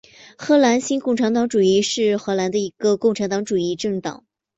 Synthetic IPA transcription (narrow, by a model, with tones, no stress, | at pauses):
xɤ˧˥la˧˥nɕi˥nkʊ˥˩ŋʈ͡ʂʰa˧˥nt̪ɑ˧˥ŋʈ͡ʂu˨˩i˥˧ʂɻ̩˥˩xɤ˧˥la˧˥nd̪ə˧i˧˥ɡ̥ə˧kʊ˥˩ŋʈ͡ʂʰa˧˥nt̪ɑ˧˥ŋʈ͡ʂu˨˩i˥˧ʈ͡ʂɤ˥˩ŋt̪ɑ̰˨˩˦ŋ